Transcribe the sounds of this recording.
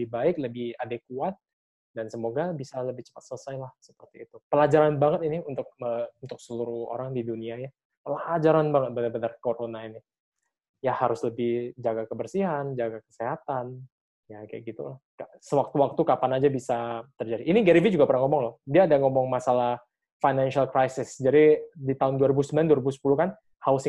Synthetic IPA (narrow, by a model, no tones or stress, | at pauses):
ləbɪhbaɪk̚ləbɪhadekuat̪̚ | dansəmoɡabisaləbɪht͡ʃə̥pat̪sələsajlahsəpərt̪iːt̪upəlad͡ʒaɾanbaŋət̪̚iniunt̪ʊk̚əunt̪ʊk̚səluɾuo̰ɾaŋdiduniaja | pəlad͡ʒaɾanbaŋət̪̚bənarbənarkoɾonainɪ | jahaɾʊsləbɪhd͡ʒaɡakəbərsiɦand͡ʒaɡakə̥seɦat̪an | jaka̰jaɡit̪ṵlahka | səwak̚t̪uwak̚t̪ukapanad͡ʒabisat̪ərd͡ʒadiʔːniɡɛɾivid͡ʒuɡapərnaŋɔmɔŋlɔhdiaːdaŋɔmɔŋmasalah | fajnanʃialkɾajsɪsd͡ʒadidit̪aɦʊnduaɾibusəmbilanduaɾibusə̥pulukan | haʊs